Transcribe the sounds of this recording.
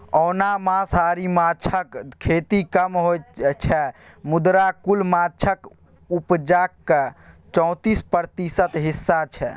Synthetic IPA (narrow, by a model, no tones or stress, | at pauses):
ɔwnamãsaɾimat͡ʃʰəkkʰet̪ikəmɦojt͡ʃʰɛ | mud̪ɾakulmat͡ʃʰək | upd͡ʒakːet͡ʃɔ̃w̃t̪ispəɾt̪isət̪ɦisːat͡ʃʰɛ